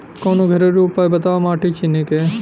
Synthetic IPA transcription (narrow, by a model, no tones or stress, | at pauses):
koːnuɡʱɐɾeɾuːpaːjbɐt̪aːamaːʈit͡ʃinːike